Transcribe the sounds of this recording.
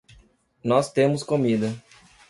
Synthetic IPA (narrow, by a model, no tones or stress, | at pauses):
nɔst̪ẽmʊskomid̪ɐ